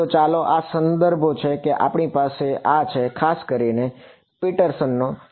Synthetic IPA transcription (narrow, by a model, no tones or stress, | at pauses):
ot͡ʃaloʔasənd̪əɾbʱot͡ʃʰekeʔa̰pɳipaseʔat͡ʃʰekʰaskəɾine | piʈəɾsənːo